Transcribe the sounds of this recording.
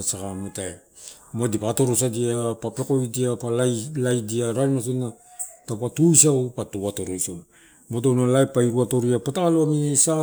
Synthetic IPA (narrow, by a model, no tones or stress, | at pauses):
asakamotae | moadipato̞ɾosadiapape̞ko̞jdiapalalajdiaɾanas̬onːatapatujsawpatuatoɾojsaw | motownalajpːaiɾuato̞ɾiapataloamisa